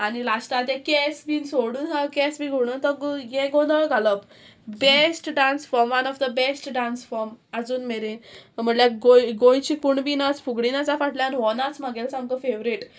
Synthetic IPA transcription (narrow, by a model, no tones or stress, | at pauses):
anilasʈat̪ẽkesbiːnsoɽuːnɦakɛsbiɡʱoɽ̃ət̪əɡjẽɡõd̪əʋɭɡʱaləp | besʈɖãnsfɔɾmʋanɔfd̪əbesʈɖãnsfɔɾməd͡zuːnmeɾenm̤əɳljaɡojɡojt͡ɕiːkuɳbinat͡sfuɡɽinat͡safaʈljanɦɔnat͡smaɡelsãmkəfeʋɾiʈ